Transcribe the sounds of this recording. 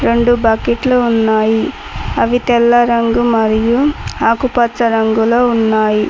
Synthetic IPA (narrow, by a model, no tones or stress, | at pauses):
ɾe̞ɳɖubɐːkiʈluːnːaːji | ɐʋit̪ɛlːɐɾɐŋɡumɐɾijuaːkupɐt͡ʃːɐɾɐŋɡuloːunːaːji